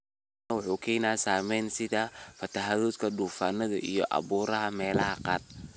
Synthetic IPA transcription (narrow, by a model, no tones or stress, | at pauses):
ɐwʊħuːkʰɛjnaːsaːmɛjnsɪðafɐt̪ʰɐɦaðɔːt̪kʰɐɖuːfaːnːɐðɐ̰ʔijɔʔɑ̰βuːɾɐɦɐmɛːlɐɦɐqɑ̰ːr